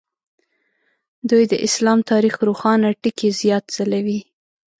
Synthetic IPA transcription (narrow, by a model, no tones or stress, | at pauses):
d̪ujd̪əʔɪslɑmt̪ɑɾixɾuxɑnaʈikezjɑt̪z̥alawi